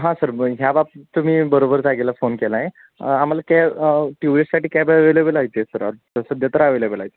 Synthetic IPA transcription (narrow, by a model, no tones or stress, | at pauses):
ɦãsəɾɦjabap̚t̪um̤iːbəɾobəɾd͡zaɡelafonkelaje | am̤alakaʈjuʋissaʈiːkajbʋelebəlaɦjt̪esəɾa̰ɾt̪əsəd̪jat̪əɾaʋelebəlaɦjt̪e